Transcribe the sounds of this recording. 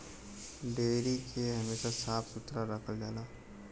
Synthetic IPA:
ɖeːɾikʰeɦɐmeːʃasaːpsʊt̪ɾaɾəkʰəld͡ʒaːlaː

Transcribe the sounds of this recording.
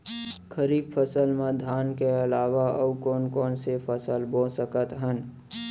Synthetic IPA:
kʰəɾiːbfʰəsəlmẽd̪ʱaːnkeɐlaːʋaʔəwkɔːnkɔːnsepʰəsəlbõːsəkət̪ɦən

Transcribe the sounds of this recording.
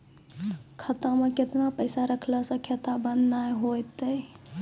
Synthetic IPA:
kʰət̪ə̃mẽkɪt̪napəɪsaɾəkʰləsə̃kʰjət̪abənːajɦojt̪əj

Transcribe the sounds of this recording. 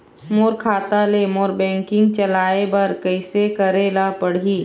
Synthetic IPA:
moːɾkʰaːt̪aleːmoːɾbɛ̃ːŋkɪ̃ŋɡ̚t͡ʃɐlaːebɐɾkəɪsekɐɾeːlapɐɽ̤iː

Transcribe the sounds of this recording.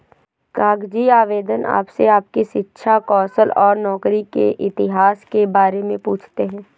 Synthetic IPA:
kaːɡd͡ʒiaːʋeːd̪əna̰ːpseaːp̚kiʃɪtːʃʰakɔːsəlɔːɾnɔːkɾikḛʔɪt̪ɪɦaːskebaːɾemẽpuːt͡ʃʰt̪eɦɛ̃ː

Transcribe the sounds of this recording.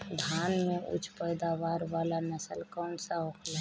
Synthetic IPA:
d̪ʱanmẽʔʊ̰t͡ʃʰpəjd̪aʋaɾʋalanəsəlkɔːnsaɦokʰla

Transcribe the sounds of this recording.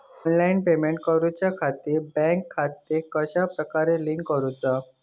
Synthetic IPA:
ɔnlainpemeɳʈ̚kəɾut͡ɕjakʰat̪iːɾbɛ̃ŋkʰːat̪ːekəɕapɾəkaɾeliŋkkəɾut͡sa

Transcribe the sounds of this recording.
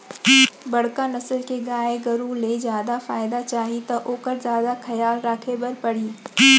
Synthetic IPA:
bɐɽ̤kanɐsəlkeɡaːeɡɐɾũlezjaːd̪afaːɪd̪at͡ʃaːɦit̪ɐʔoːkəɾzjaːd̪axɐjaːlɾaːkʰebɐɾpɐɽ̤iː

